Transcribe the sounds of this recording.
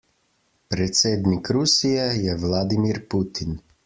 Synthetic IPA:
pɾɛt̪seːd̪nikɾusijɛjɛʋlaːd̪imiɾput̪in

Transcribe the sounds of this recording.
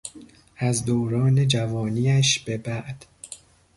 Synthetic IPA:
ʔæzd̪oːɾɒːne̞d͡ʒævɒːniːæʃb̥e̞bæʔd̪̥

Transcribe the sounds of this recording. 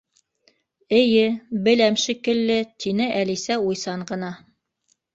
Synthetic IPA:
ɘ̆jɘbɘ̆læmʃikɘ̆lːɘt̪ʰinɘʔælisæujsɑɴɢɤ̆nɑ

